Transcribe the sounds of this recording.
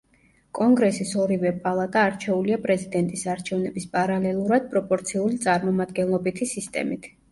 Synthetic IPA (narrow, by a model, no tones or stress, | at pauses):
kʼɔŋɡɾɛsisɔɾivɛpʼalˠat̪ʼaːɾt͡ʃʰɛuliapʼɾɛzid̪ɛnt̪ʼisaɾt͡ʃʰɛvnɛbispʼaɾalɛlˠuɾad̪̥̚pʼɾɔpʼɔɾt̪sʰiulit̪sʼaɾmɔmad̪̚ɡɛnlˠɔbit̪ʰisist̪ʼɛ̰mit̪ʰ